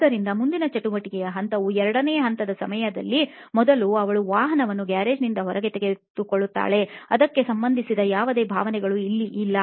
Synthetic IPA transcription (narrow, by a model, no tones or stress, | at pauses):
ɐɾind̪ɐmund̪inɐt͡ʃɐʈuʋɐʈikɛjɐɦɐnt̪ɐʋuɛɾɐɽɐneːjɐɦɐnt̪ɐd̪ɐsɐmɐjɐd̪ɐlːimɔd̪ɐluɐʋɐɭuʋaːɦɐnɐʋɐnːuɡaːɾe̞ːd͡ʒnind̪ɐɦɔɾɐɡe̞t̪eɡe̞t̪ukoɭːut̪ːa̰ːɭe̞ɐd̪ɐkːe̞sɐmbɐnd̪ʱisid̪ɐjaːʋɐd̪e̞ːbʱa̰ːʋɐnɛɡɐɭuilːiʔilːɐ